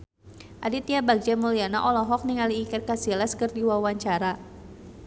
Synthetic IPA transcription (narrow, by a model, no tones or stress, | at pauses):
ʔadit̪iabaɡ̚d͡ʒamuliana̰ʔɔlɔɦɔk̚niŋaliːkɛrkasilaskərdiwawaɲt͡ʃaɾa